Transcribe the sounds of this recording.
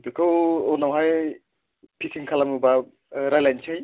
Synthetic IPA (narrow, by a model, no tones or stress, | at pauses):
bikʰɯwɔnawɦaj | pʰisiŋkʰalamuba | ɾajlajnt͡ʃʰɯj